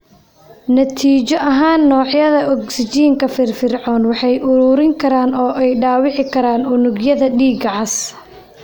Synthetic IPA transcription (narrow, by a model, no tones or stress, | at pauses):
nɐt̪ʰiːt͡ʃɔʔɐɦaːnːɔːʕjɐðɐʔɔksɪt͡ʃiːŋkʰɐfɪrfɪrʕɔːnwɑħɑjʔʊɾuːɾɪŋkʰɐɾaːnɔːʔɛjɖaːwɪʕɪkʰɐɾaːnʊnʊɡjɐðɐɖiːɡɐʕɑs